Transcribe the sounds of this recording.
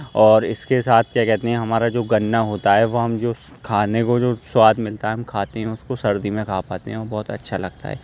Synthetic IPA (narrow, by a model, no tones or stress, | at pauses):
ɔːɾɪskesaːt̪ʰkjakɛɦt̪eɦɛ̃ɦɐmaːɾad͡ʒoːɡɐnːaɦoːt̪aɦɛʋoɦɐmd͡ʒoː | kʰaːnekod͡ʒoːswaːd̪mɪlt̪aɦɛɦmkʰaːt̪eɦɛ̃ʊskosɐɾd̪imẽkʰaːpaːt̪eɦɛ̃ɔːɾbɔːt̪ɐ̰tːʃʰalɐɡt̪a̰ɦɛ̰ː